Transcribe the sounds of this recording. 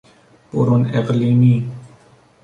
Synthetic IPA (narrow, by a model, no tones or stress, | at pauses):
pʊ̰ɾonɪqliːmiː